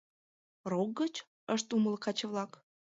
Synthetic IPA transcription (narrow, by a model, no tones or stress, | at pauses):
rok̚ɡət͡ɕ | əʃt̪uməlkɑt͡ɕəβlɑk